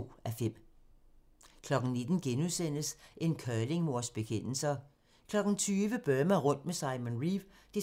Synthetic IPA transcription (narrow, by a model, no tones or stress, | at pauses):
æfem̰ | kʰlɒ̽ɡ̥n̩ne̝d̥n̩ɡ̥enuðˠsen̰əsʔe̝nkʰœːle̝ŋmo̝ɐ̰sb̥e̝kʰen̰l̩sɐ | kʰlɒ̽ɡ̥n̩t͡sʰyːʋəb̥ɶːmɐʁɔ̽n̰d̥mesɑ̈ɪmonʁiʋ | d̥e̝